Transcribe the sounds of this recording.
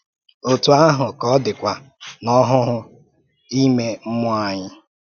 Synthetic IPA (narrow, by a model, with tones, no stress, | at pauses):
o˨tu˨a˦ɦʊ˨kɔ˦dɪ˨kʷa˨ | nɔ˦ɦʊ˦ɦʊ˦ | i˦me˦m̩˦mʊ˦a˨ɲɪ˦